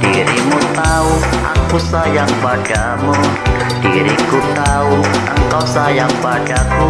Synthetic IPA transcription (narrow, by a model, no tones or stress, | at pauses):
d̥iɾimut̪au | a̰ŋkusajaŋpaɖ̥a | mu | ɖ̥iɾḭkut̪aua̰ŋkawsajaŋpaɖ̥aku